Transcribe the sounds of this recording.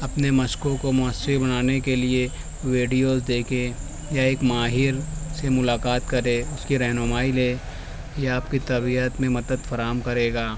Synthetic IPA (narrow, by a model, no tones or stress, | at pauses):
ɐpnemɐʃkõkomʊəsibɐnaːnekelie | ʋeːɖijoːzd̪eːkʰe | jaeːkmaːɦɪɾsemʊlaːkaːt̪kɐɾeʊskiɾɛɦnʊmaːileː | jaaːp̚kit̪ɐbiət̪mẽmɐd̪əd̪fɐɾaːɦəmkɐɾeːɡaː